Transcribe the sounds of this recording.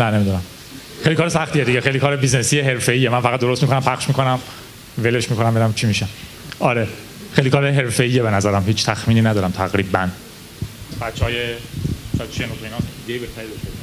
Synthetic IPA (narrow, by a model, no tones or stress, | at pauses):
næne̞mid̪unæm | xejlikɒːɾesæxt̪ijed̪iɟexejlikʰɒːɾebiznesiːjeɦe̞ɾfe̞iːjemænfæʁæt̪d̪oost̪mikʰonæmpʰæχʃmikʰo̞næm | veleʃmiːkʰo̞næmbelæmt͡ʃʰimiːʃæ | ɒɾe | xejlikɒːɾeɦe̞ɾfe̞iːjebe̞næzæɾæmhiːt͡ʃʰt̪ʰæxmiːniːnæd̪ɒːɾæmt̪ʰæɣɾiːbæn | bæt̪t͡ʃʰːɒːjesæt̪t͡ʃʰʃeenot̪einɒːsed̪iɡejiːbeht̪æɾiːd̪oʃt̪e